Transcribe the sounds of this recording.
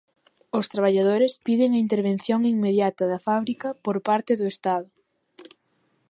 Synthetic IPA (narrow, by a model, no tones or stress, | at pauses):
ʊst̪ɾaβ̞aʎaðoɾespiðɪŋɐint̪eɾβẽn̟θjoŋiŋmeðjat̪ɐðɐfaβɾikɐpoɾpaɾt̪ɪðʊest̪aðʊ